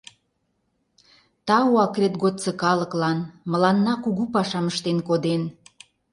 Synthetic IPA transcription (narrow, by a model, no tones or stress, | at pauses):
t̪ɑuɑkrʲet̪ɡot̪t͡sə̆kɑləklɑnmə̆lɑnːɑkuɣupɑʃɑməʃt̪enkod̪en